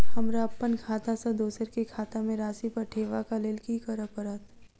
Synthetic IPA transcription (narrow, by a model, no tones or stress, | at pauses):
hɐmɾaːpːənkʰaːt̪asad̪oːsəɾkikʰaːt̪amẽɾaːsipɐɾʈʰeːʋakaleːlkikəɾəpəɾət̪